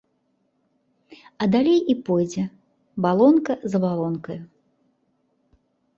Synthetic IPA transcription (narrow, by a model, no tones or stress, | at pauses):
ɐd̪alʲejipɔjd͡zʲɛ | balˠɔnkɐzɐbalˠɔnkɐju